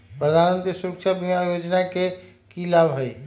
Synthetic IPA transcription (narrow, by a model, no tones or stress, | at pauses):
pɾəd̪ʱaɾmənt̪ɾisuɾəkt͡ʃʰabimajod͡ʒnake | kilabɦəj